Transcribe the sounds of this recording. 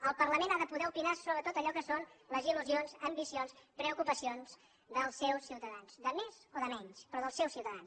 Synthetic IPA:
əlˠpərləmenaðəpuðɛupinasoβɾət̪ot̪əʎɔkəsonləziluzionzəmbisionspɾəukupəsionz | d̪əlˠsːɛwsːiwt̪əðansd̪əmezoðəmɛɲspɾɔðəlˠsɛwsiwt̪əðans

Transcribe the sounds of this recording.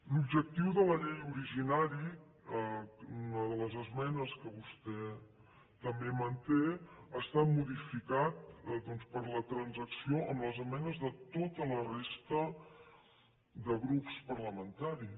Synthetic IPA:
lubʒək̚t̪iwðələʎejuɾiʒinaɾi | unəðələzəzmɛnəskəβust̪ɛ | t̪əmbemənt̪eəst̪amuðifikat̪̚d̪ɔnspəɾlət̪ɾənzəksioʔəmləzəmɛnəzðət̪ot̪ələrest̪ə | ðəɣɾupspəɾləmənt̪aɾi

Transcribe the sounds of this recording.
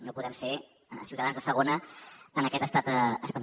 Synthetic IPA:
nopuðɛmse | siwt̪əðanzðəsəɣ̞onəənəkɛt̪əst̪at̪əspən

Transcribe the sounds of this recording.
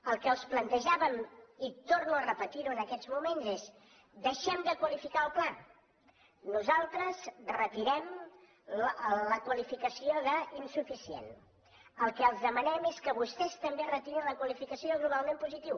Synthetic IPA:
əlˠkəəlˠsplənt̪əʒaβəmit̪ornuərəpət̪iɾuənəkɛd͡zmumenzes | d̪əʃɛmd̪əkwəlifikaəlˠpla | nuzalˠt̪ɾəzrət̪iɾɛm | ləkwəlifikəsioðəinsufisiḛn | əlˠkɛəlˠzðəmənɛmeskəβust̪ɛst̪əmberət̪iɾinləkwəlifikəsioɣluβalˠmempuzit̪iw

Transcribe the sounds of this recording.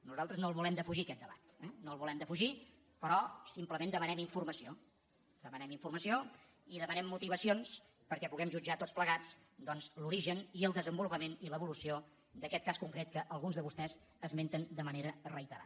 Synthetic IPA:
nuzalˠt̪ɾəznoəlˠβulɛmd̪əfuʒikɛt̪̚d̪əβa̰t̪ɛnoəlˠβulɛmd̪əfuʒi | pəɾɔsimpləmẽnd̪əmənɛmiɱfurməsio | d̪əmənɛmiɱfurməsio | iðəmənɛmːut̪iβəsions | pəɾkɛpuɣ̞ɛmʒud͡ʒat̪otspləɣat͡sd̪ɔnszluɾiʒəniəlˠd̪əzəmbulupəmeniləβulusio | d̪əkɛt̪̚kaskuŋkɾet̪̚kəʔəlˠɣunzðəβust̪ɛz | əzment̪ənd̪əməneɾərəit̪əɾa̰

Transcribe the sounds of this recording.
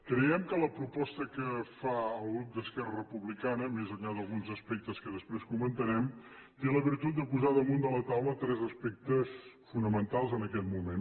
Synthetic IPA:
kɾəɛmkələpɾupɔst̪əkəfaəlˠɣɾup̚d̪əskɛrərəpuβlikanəmezənʎaðəlˠɣunzəspɛk̚t̪əskəðəspɾeskumənt̪əɾɛm | t̪eləβirt̪ut̪̚d̪əpuzaðəmund̪ələt̪awlət̪ɾɛzəspɛk̚t̪əsfunəmənt̪alˠzənəkɛt̪mumen

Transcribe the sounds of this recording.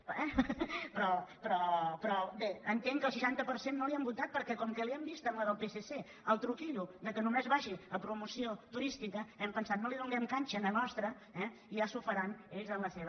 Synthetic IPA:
ɛpɾɔpɾɔpɾɔbeənt̪eŋkəlˠsəʃant̪əpəɾsenːoliɛmbut̪at̪̚pəɾkɛkɔmkɛliɛmbist̪əmləðəlˠpesese | əlˠt̪ɾukiʎud̪əkənumezβaʒiəpɾumusiot̪uɾist̪ikəɛmpənsat̪noliðuŋɡɛmkanʲt͡ʃənənɔst̪ɾə | ɛiasufəɾaneʎzənləseβ

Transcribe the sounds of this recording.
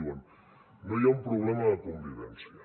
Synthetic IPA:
wan | mejɔmpɾoblɛmaakɔmbivɛ̰nsia

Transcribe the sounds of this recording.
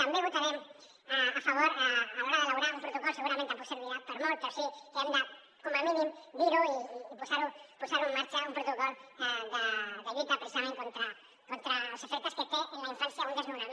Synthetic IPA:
t̪ambjeβot̪aɾem | aafaβ̞oɾaaoɾaðelawɾaumpɾot̪okolseɣuɾament̪eaposeɾβiapoɾmolt̪osikeand̪a | komamĩnĩmbiɾoiːpusaɾopusaɾuemaɾt͡ʃaumpɾot̪okoleðedeβit̪apɾesanẽŋkont̪ɾa | kont̪ɾalosofeɾt̪asket̪eʔenlaiɱfansjaund̪ezmeuɾam

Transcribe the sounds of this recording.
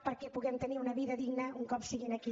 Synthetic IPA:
pəɾkɛpuɣɛmt̪əniunəβiðəðiɡnəuŋkɔpsiɣinəki

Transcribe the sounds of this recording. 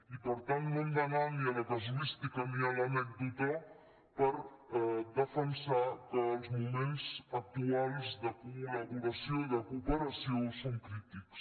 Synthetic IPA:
ipəɾt̪ant̪nõnd̪ananiələkɐzulist̪ikəmialanɛk̚d̪ut̪a | pəɾ | ɛd̪əfənsakəːlˠzmumenzɐk̚t̪uajzðəkulɐβuɾɐsjoðəkupəɾɐsjosoŋkɾit̪iks

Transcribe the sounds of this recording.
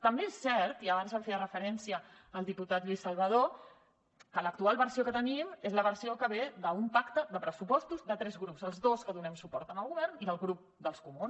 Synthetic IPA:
t̪əmbeesːɛɾt̪iəβanzəfeðərəfəɾɛnsiəː | lˠd̪iput̪at̪ʎuisːəlˠβəð̞o | kələk̚t̪ualˠβəɾsiokət̪ənimezləβəɾsiokəβeðəumpakt̪əðəpɾəsupɔst̪uzðət̪ɾɛzɣɾupzəlˠzðoskəðunɛmsupɔɾt̪əməlˠɣuβɛɾniðəlˠɣɾup̚d̪əlˠskumuns

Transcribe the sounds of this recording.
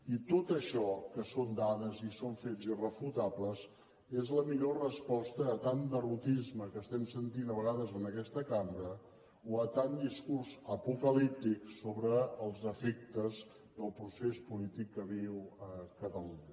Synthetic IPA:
it̪ot̪əʃɔkəsond̪aðəzisoɱfed͡zirəfut̪apləz | ezləmiʎorəspɔst̪əːt̪and̪ərut̪izməkəst̪ɛmsənt̪inəβəɣaðəzənəkɛst̪əkaməɾə | oət̪and̪iskurzəpukəlip̚t̪iksoβɾəːlˠzəfek̚t̪əz | d̪əlˠpɾusespulit̪ikːəβiwəkət̪əluɲə

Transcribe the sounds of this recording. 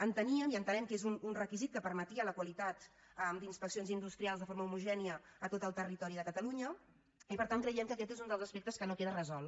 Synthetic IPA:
ənt̪əniəmiənt̪ənɛmkezununrəkizit̪̚kəpəɾmət̪iələkwəlit̪at̪ | əmd̪inspəksionzind̪ust̪ɾialˠzðəfoɾməumuʒɛniəːt̪ot̪əlˠt̪ərit̪ɔɾiðəkət̪əluɲə | ipəɾt̪aŋkɾəjɛmkəkɛt̪ezund̪əlˠzəspek̚t̪əskənokeðərəzɔlˠ

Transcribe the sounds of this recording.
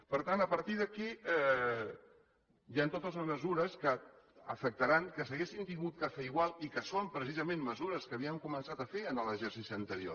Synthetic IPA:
pəɾt̪anəpəɾt̪iðəkiɛ | jant̪ot̪əzləzməzuɾəskə | ə̰fək̚t̪əɾaŋkəsəɣesint̪iŋɡut̪̚kafəiɣwalˠikəsompɾəs̬izəmẽnməzuɾəskəːβiəŋkumənsat̪əfeənələʒɛɾsisiənt̪əɾio̰

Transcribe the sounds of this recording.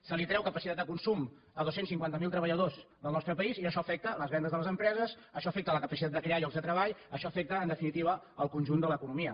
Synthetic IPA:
səlit̪ɾɛwkəpəsit̪at̪d̪əkunsum | əðosensiŋkwant̪əmilˠt̪ɾəβəʎəðozðəlˠnɔst̪ɾəpəiziəʃɔəfɛk̚t̪ələzβɛnd̪əzðələzəmpɾɛzəs | əʃɔəfɛk̚t̪ələkəpəsit̪ad̪əkɾeaʎɔɡzðət̪ɾəβaʎəʃɔəfɛk̚t̪əːnd̪əfinit̪iβə | əlˠkunʒund̪ələkunumiə

